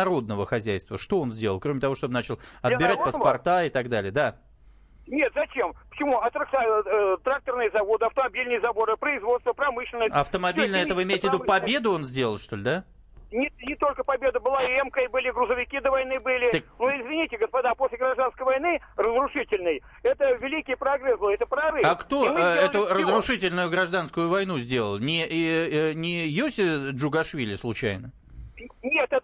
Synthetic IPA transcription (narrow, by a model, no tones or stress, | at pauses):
ɾo̞d̪̚nəvəxɐzʲæjst̪vəʂt̪o̞o̞nzʲdʲe̞ləlˠkɾo̞mʲɪt̪ɐvo̞ʂt̪o̞bənat͡ɕɪlˠɐt̪bʲɪɾat̚pəspɐrt̪aɪt̪ɐɡd̪alʲɪjəd̪a | nʲet̪zɐt͡ɕempə̥t͡ɕɪmuɐt̪ɾək̪at̪ɾak̚t̪ərnɨjəzɐvo̞d̪ɨɐft̪əmɐbʲilʲnɨjəzɐbo̞ɾɨpɾəɪzvo̞t̪st̪vəpɾɐmɨɕlʲɪnːəsʲaɐft̪əmɐb̪ʲilʲnəɛt̪əvəɪmʲejɪt̪ʲvʲɪd̪upɐbʲe̞d̪ʊo̞nzʲdʲelˠəlˠʂt̪o̞lʲɪd̪a | nʲɪt̪nʲɪt̪o̞lʲkəpɐbʲe̞d̪əbɨlˠaɛmkəbɨlʲɪɡɾʊzəvʲɪkʲid̪əvɐjnɨbɨlʲɪt̪ənuɪzvʲɪnʲitʲɪɡəspɐd̪aposʲlʲɪɡɾɐʐd̪anskəjvɐjnɨ | rəzɾʊʂɨtʲɪlʲnɨj | ɛt̪əvʲɪlʲikʲɪjəpɾɐɡɾɛslˠoɛt̪əpɾavɨjakt̪oɛt̪ʊrəzrʊʂɨtʲɪlʲnʊjʊɡɾɐʐd̪anskʊjʊvɐjnuzʲdʲe̞lˠə̰lˠnʲɪ | nʲɪjosʲɪʐʊɡɐʂvʲilʲɪslˠʊt͡ɕæ̰jnə | nʲet̪ɛt̪ə